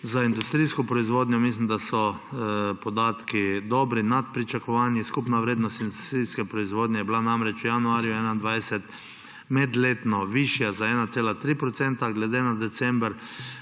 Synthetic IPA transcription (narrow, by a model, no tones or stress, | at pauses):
zaind̪ust̪ɾijskɔpɾɔizʋoːd̪ɲɔmislimd̪asɔ | pɔd̪aːt̪kid̪ɔbɾinat̪̚pɾit͡ʃakɔʋaːnjiskupnaʋɾeːd̪nɔst̪ind̪ust̪ɾiːskɛpɾɔizʋoːd̪ɲɛjɛblanamɾɛt͡ʃujanuaːɾjuɛːnand̪ʋajsɛt̪ | mɛd̪leːt̪nɔʋiʃjazaɛːnat̪seːlat̪ɾiːpɾɔt̪sɛnt̪aɡlɛd̪enad̪ɛt̪sɛmbɾ